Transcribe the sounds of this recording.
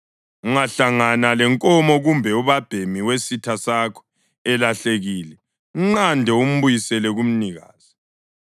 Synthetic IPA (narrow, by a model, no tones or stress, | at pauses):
uŋaɬaŋanalɛŋkʼɔmɔɣumbʱɛuβab̥ʱemiwesitʰasakʰɔ̥ | ɛlaɬeɣiːlɛ | uŋ͡ǀandʱɛum̩βujisɛlɛɣum̩niɣa̰ːz̥i